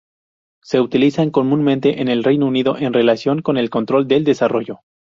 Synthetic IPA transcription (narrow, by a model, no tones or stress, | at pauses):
se̞ut̪ilisaŋko̞mũnmẽnt̪e̞ʔene̞lrejnouniðo̞ʔenre̞lasjo̞ŋko̞ne̞lko̞nt̪ɾo̞ld̪e̞ld̪e̞saro̞ʝo̞